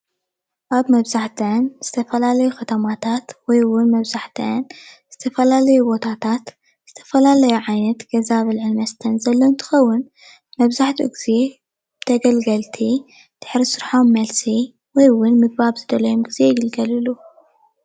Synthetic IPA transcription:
ʔaβmɐβzaħt̪ʰɐnz̥ɨt̪ʰɐfɐlalɐjuxɐt̪ʰɐmat̪ʰat̪wɔjwʊnmɐβzaħt̪ʰɐ̰nz̥ɨt̪ʰɐfɐlalɐjubo̞t̪ʰat̪ʰat̪ | z̥ɨt̪ʰɐfɐlalɐjuʕajnɐt̪ɡ̥ɐzaβɐlʕɨlmɐst̪ʰɐnzɐlːoɨnt̪ʰɨ̥xɐwːʊn | mɐβzaħt̪ʰṵɡize̞ | b̥ɨt̪ʰɐɡɐlɡɐlt̪ʰi | d̪̥ɨ̥ħɾisɨɾħomːɐlsi | wɔjwʊnmɨɡ̚baβzɨd̪ɐlɐjomɡize̞jɪɡɐlɡɐlɨlu

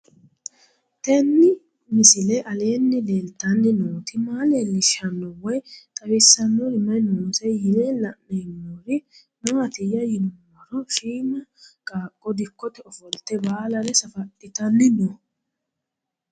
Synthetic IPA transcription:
t̪ɛnːɪ | mɪsɪlɛʔɐleːnːɪd̪eːlt̪ɐnːɪnoːt̪ɪmaːlelːɪʃɐnːɔwɔjt̪ʼɐβɪsːɐnːɔɾɪmɐjnoːsɛjɪlelɐʔmɛjnːɔɾɪ | nɐwɐt̪ɪjɐjɪnʊmː | ɐɾɔʃiːmɐkʼaːkʼːɔd̪ɪkːɔt̪ɛɔfɔlt̪ːɛbaːlɐɾɛsɐfɐt̪ʼːɪt̪ɐnːɪnɔ

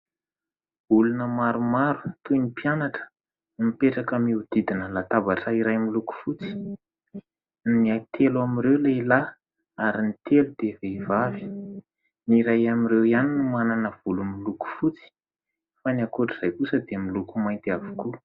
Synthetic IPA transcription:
ulunəmaɾumaɾu̥t̪uinipianaʈ͡ʂə̥ | mipeʈ͡ʂakəmiud̪̥id̪inəlat̪abaʈ͡ʂaiɾajmiluku̥fut͡si̥ | nniajt̪ʰeluamirewleila | aɾinit̪elud̪eveivavi̥ | niɾajamirewianinumananəv̥ulumiluku̥fut͡si̥ | fanakoʈ͡ʂiz̥ajkusəd̪emilukumajnt̪iavi̥ku

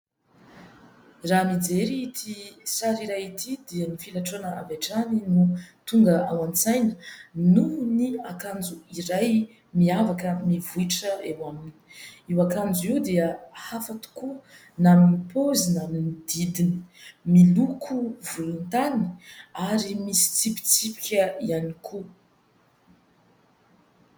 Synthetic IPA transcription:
ramid͡zeɾiit̪ʰisaɾiɾajit̪ʰid̪eənifilaʈ͡ʂonəa̰vaʈ͡ʂaninut̪uŋɡəawãnt͡sajnə̥nuniakand͡zuiraj | miavakəmivuiʈ͡ʂəewamini̥iwakand͡zuiwd̪eəhafat̪u̥ku | naminipozinaminid̪id̪ini̥milukʰuvulunt̪ani̥aɾimisi̥t͡sipi̥t͡sipi̥kʲəianikʰu

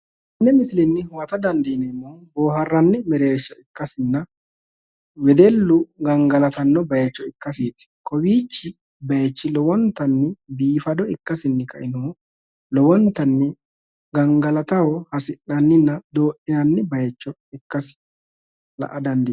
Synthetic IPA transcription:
nːɛmɪsɪlɛnːɪhwɐt̪ɐd̪ɐnd̪inɛmːoboːɦɐrːɐnːɪmɛɾeːɾɪʃɔɪkːɐsɪnːɐ | wɛd̪ɛlːʊɡɐŋɡɐlɐt̪ɐnːɔbɐjɛt͡ʃːɔɪkːɐsiːt̪ɪ̥kʰɔwiːt͡ʃːɪ | bɐjɛt͡ʃːɪlɔwɔnt̪ːɐnːɪbiːfɐd̪ɔɪkːɐsɪnːɪkɐ̰ʔɪnoː | lɔwɔnt̪ɐnːɪ | ɡɐŋɡɐlɐt̪ɐwɔhɐsɪʔːɐnːɪnːɐd̪oːʔɪnɐnːɪbɐjɛt͡ʃːɔ | ɪkːɐsɪ̥ | lɐ̰ʔɐd̪ɐnd̪i

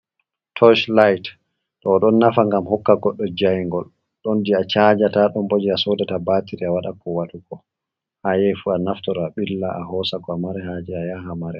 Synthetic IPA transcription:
tʰɔʃlajt | ɗɔɗɔnːafaŋɡamhɔkːaɡɔɗːɔd͡ʒajŋɡɔl | ɗɔndiat͡ʃad͡ʒataɗɔmbod͡ʒiasodɛtabaːtiɾiawaɗakɔwaɗukɔ | hajɛfuanaftɔɾaɓilːaʔahɔsakɔamaɾɛhad͡ʒiajaɦamaɾɛ

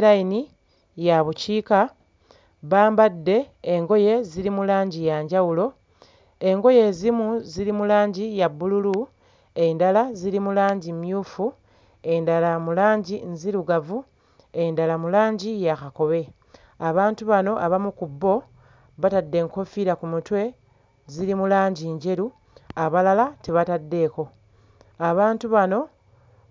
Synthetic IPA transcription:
ɾaini | jaβuciːka | βaːmbadːe̞ːŋɡo̞je̞ziɾimulaːɲɟijaːɲɟawulo̞ | e̞ŋɡo̞je̞ːzimuziɾimulaːɲɟijabːululu | e̞ndalaziɾimulaːɲɟimjuːfu | e̞ndalamulaːɲɟinziɾuɡavu | e̞ndalamulaːɲɟijakako̞βe̞ | aβaːntuβano̞ʔaβamukubːo̞ | βatadːe̞ŋko̞fiɾakumutwe̞ | ziɾimulaːɲɟiɲɟe̞ɾu | aβalalateβatadːe̞ːko̞ | aβaːntuβano̞

